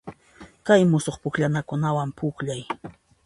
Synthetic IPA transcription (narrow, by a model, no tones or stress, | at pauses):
kajmʊsoχpʊkʎanakʊnawampʊkʎaj